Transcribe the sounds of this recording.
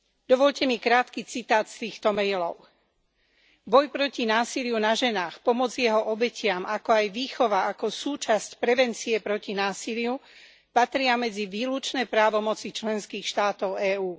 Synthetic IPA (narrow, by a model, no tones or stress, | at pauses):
d̪ɔʋɔʎcɛmikɾaːt̪kit͡sit̪aːt̪st̪iːxt̪ɔmɛjlɔʊ | bɔjpɾɔcinaːsilɪjunaʒɛnaːxpɔmɔd͡zjɛɦɔʔɔbɛcɪamakɔajʋiːxɔʋaakɔsuːt͡ʃascpɾɛʋɛnt͡siɛpɾɔcinaːsiliu | pat̪ɾɪamɛd͡ziʋiːlut͡ʃnɛːpɾaːʋɔmɔt͡sit͡ʃlɛnskiːxʃt̪aːt̪ɔʊɛːuː